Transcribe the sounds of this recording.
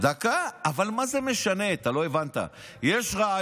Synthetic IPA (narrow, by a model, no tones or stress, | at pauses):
d̪akaːvalmazemeʃane̞t̪alo̞evant̪a̰jeʃʁaa